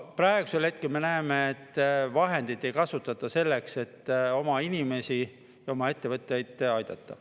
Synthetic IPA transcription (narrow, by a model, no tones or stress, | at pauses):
præeɡ̥u̥selhe̞t̪̚kelme̞næemeːt̪ːvɑɦe̞nd̪̥it̪ːˑe̞jkɑsut̪ːˑɑt̪ːˑɑse̞lːe̞kse̞t̪ːo̞mɑinime̞si | jɑo̞mɑe̞t̪ːe̞vɤt̪ːˑjɑjd̪̥ɑjd̪̥ɑt̪ːˑɑ